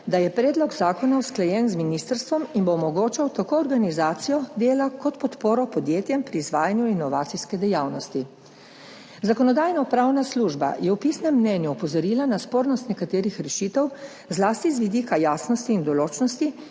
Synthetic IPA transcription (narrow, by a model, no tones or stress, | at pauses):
d̪ajɛpɾɛːd̪lɔɡzaːkɔnawsklajɛnzminist̪əɾst̪ʋɔminboːmɔɡoːt͡ʃawt̪akoːɾɡanizaːt̪sijɔd̪eːlakɔt̪pɔt̪poːɾɔpɔd̪jeːt̪jɛmpɾiːzʋaːjanjuinɔʋaːt̪siskɛd̪ɛjawnɔst̪i | zakɔnɔd̪aːjnɔpɾaːwnasluːʒba̰jɛwpisnɛmːnɛnjuːpɔzɔɾiːlanaspoːɾnɔst̪nɛkat̪eːɾixɾɛʃiːt̪ɛw | zlaːst̪izʋid̪iːkajaːsnɔst̪iːnd̪ɔloːt͡ʃnɔst̪i